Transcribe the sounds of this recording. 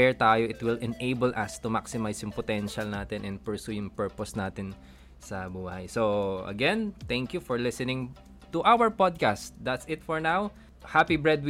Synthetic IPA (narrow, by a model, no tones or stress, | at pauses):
ɛɹt̪aːjoʔɪt̪wɪlɛnʔejbɛlʔɐst̪ʊmaksɪmajsjʊŋpɔt̪ɛnʃɐlnaːt̪ɪnʔɛnpɛɹsujʊŋpɛɹpɔsnaːt̪ɪn | sɐbuːhɐ̰jsoʔɐ̰ɡɛ̃nt̪ɛŋkjufɔɹlɪsɪnɪ̃ŋ | t̪ʊʔawəɹpɔd̪̚kast̪̚d̪ɐt̪sɪt̪fɔɹnaw | hapibɹɛd̪̚w